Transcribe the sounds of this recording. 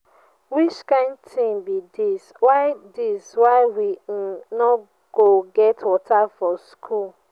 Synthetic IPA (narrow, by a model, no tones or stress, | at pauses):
wit͡ʃkãɪ̃ndtʰĩnbidiswaɪdiswaɪwinɔ | ɡ̥oɡɛtwɔtafɔskʰul